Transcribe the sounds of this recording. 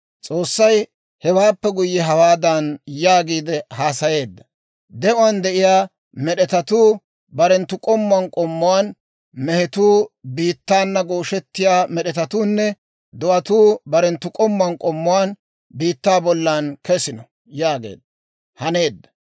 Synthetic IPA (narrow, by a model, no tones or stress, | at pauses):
t͡sʼo̞ːsːɐj | hɛwaːpːɛɡʊjːɛɦɐwaːd̪ɐnjaːɡiːd̪ɛhaːsɐje̞ːd̪ːɐ | d̪ɛʔʊwand̪ɛʔɪjaː | mɛɗɛt̪ɐt̪uː | bɐɾɛnt̪ːʊkʼɔmːʊɐnkʼɔmːʊwaːn | mɛhɛt̪uːbiːt̪ːaːnːɐɡoːʃɛt̪ːɪjaːmɛɗɛt̪ɐt̪uːnːɛ | d̪ʊʔɐt̪uːbɐɾɛnt̪ːʊkʼɔmːʊɐnkʼɔmːʊwaːn | biːt̪ːaːbɔlːankɛsɪnɔ | jaːɡḛːd̪ːɐ | hɐne̞ːd̪ːɐ̥